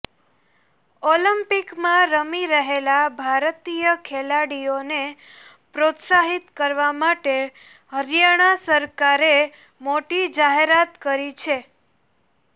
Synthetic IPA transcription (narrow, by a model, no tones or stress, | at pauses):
olimpikmãɾəmiɾəɦelabʱaɾt̪ijəkʰelaɽijone | pɾot̪saɦit̪kəɾʋamaʈe | ɦəɾjaɽ̃asəɾkaɾe | moʈid͡ʒaɦeɾat̪kəɾit͡ʃʰe